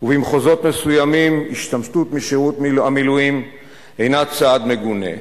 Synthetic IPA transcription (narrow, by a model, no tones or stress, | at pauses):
uvimχozo̞t̪me̞sujamimiʃt̪amʃtut̪miʃiʁut̪amiluim | ejnat͡sad̪me̞ɡune̞̰